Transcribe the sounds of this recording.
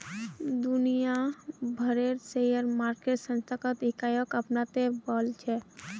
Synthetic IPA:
d̪ʊnijabʱəɾeɾsejəɾmaːɾkeʈsə̃nst̪ʰakat̪ɪkaːjəkəpnat̪ebɔlt͡ʃʰɛ

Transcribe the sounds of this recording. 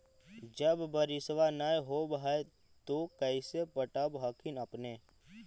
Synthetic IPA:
d͡ʒəbːəɾɪsʋanaːjɦobɦae | t̪okəɪsepəʈabɦaːkʰinəpneː

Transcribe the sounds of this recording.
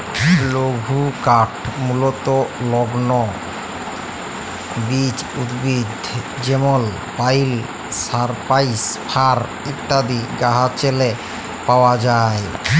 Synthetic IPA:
loɡʱukaʈʰmulot̪olɔɡno | bit͡ɕud̪bid̪ʱ | d͡ʑemol | pajl | saɾpajspʰaɾ | it̪ːad̪iɡaɦat͡ɕele | paoad͡ʑae

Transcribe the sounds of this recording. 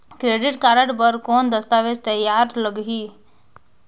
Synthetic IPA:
kɾeːɖɪʈkaːɾəʈbəɾkoːnd̪əst̪aːʋed͡ʒt̪əjaːɾləɡɦiː

